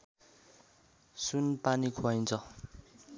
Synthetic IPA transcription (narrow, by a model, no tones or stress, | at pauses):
sunpanikʰoajnt͡sʰʌ